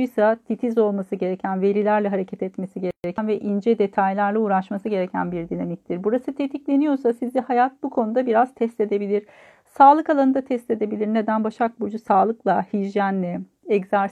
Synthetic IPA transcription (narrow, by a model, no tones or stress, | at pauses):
ujsat̪ʰit̪ʰizo̞lˠmasɯɟe̞ɾecʰænve̞ɾilʲæɾlʲɛɦaɾecʰɛt̪ɛt̪me̞siɟeɾɾecʰænvɛʔind͡ʒɛd̪e̞t̪ʰajlʲˠæɾlʲˠɛuːɾaʃmasɯɟe̞ɾecʰæ̰nbiɾd̪inamic̚t̪ʰiɾbuɾasɯt̪ʰet̪ʰiclʲe̞nijo̞ɾsasizihajat̪̚bukʰo̞nud̪abiɾaz̥t̪ʰɛst̪e̞d̪e̞bilʲiɾ̥ | saːlˠɯkalˠanɯnd̪at̪ʰɛst̪e̞d̪e̞bilʲiɾned̪ænbaʃak̚bud͡ʒusaːlˠɯklˠahiʒjænlːɛ | ɛczaɾ